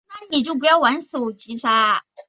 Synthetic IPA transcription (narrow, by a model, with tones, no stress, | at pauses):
na˥˩˦ni˨˩t͡ɕjo˥˩ʊp̬u˧˦jɑ˥˩ʊwa˧˥nso˨˩ʊt͡ɕi˧˥ʂʰa˥